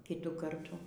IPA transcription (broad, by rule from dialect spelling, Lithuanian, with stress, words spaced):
ˈkʲɪtuː ˈkɐrtuː